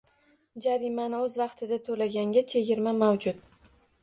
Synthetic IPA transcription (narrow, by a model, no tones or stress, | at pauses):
d͡ʒaɾimanɪɵzvɑqt̪ʰɪd̪at̪ʰɵlaɡʲaŋɡʲat͡ʃʰe̞ɡʲɪɾmamawd͡ʒʊt̪